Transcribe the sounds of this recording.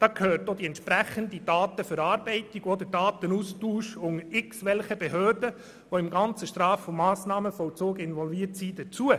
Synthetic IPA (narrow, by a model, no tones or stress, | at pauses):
d̥ɑːkʰøːɾtod̥̪iɛnt̪ʃpɾæχənd̪id̥ɑːt̪əfəɾɑːɾbɛɪtiɡ̥ɔd̪əɾd̥ɑːt̪ənustuːʃʊŋɪksʋɛlχəbɛɦøːɾdə | ʋoɪmɡɑnt͡səʃtɾɑːfːɔmːɑːsnɑːməfɔlt͡soːɡɪnʋɔlviəɾtsiːd̥ət͡suə